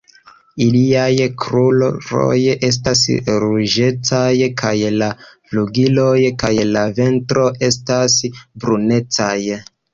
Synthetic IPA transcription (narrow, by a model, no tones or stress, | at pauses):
iliajkʰɾulɾo̰je̞s̬tasɾuʒe̞t͡sajkʰajlafluɡilo̞jkajlave̞ntɾo̞ʔe̞stasbɾune̞t͡saj